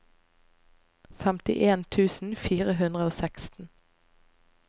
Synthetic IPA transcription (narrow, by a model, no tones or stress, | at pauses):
fɛmt̪ɪ̰ʔeːnt̪ʰʉːsn̩fiːʁəɦʉnd̪ʁəoːsɛkst̪n̩